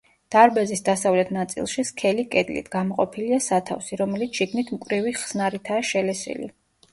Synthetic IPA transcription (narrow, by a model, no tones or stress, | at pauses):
d̪̥aɾbɛzisd̪asavlɛt̪ʰnat̪sʼḭlˠʃiskʰɛlikʼɛd̪lḭt̪ʰɡamɔqʼɔpʰiliasat̪ʰa̰fsiɾɔmɛlit̪ʰʃiɡnit̪ʰmkʼɾiviχsnaɾit̪ʰaːʃɛlɛsḭlḭ